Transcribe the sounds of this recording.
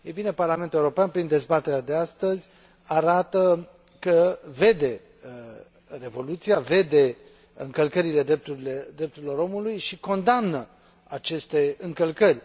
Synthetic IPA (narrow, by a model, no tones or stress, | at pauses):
ejbine̞parlament̪uleuɾopeanpɾind̪e̞zbat̪e̞ɾead̪e̞ast̪əzʲ | aɾat̪ə | kəve̞d̪e̞ | re̞vo̞lut̪siave̞d̪e̞ | ɨŋkəlkəɾile̞d̪ɾe̞p̚t̪uɾiled̪ɾep̚t̪uɾilo̞ɾo̞mulujʃiko̞nd̪amnə | at͡ʃe̞st̪e̞ɨŋkəlkərʲ